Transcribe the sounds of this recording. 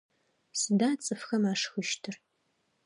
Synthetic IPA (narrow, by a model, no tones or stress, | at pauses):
sɨdaːt͡sʼɨfxɐmaːʂxɨʃtʰɨr